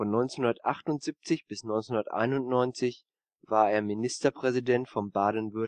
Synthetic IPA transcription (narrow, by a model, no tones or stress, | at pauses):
fɔnːɔʏnt͡snhundɐtʔaχtʊntz̥ip̚t͡sɪçb̥ɪsnɔʏnt͡senhundɐtʔa̰ɪnʊntnɔʏnt͡sɪç | vaːɐeːɐminɪstɐpʁ̥ɛzidɛntfɔmbaːdən̩vʏɐ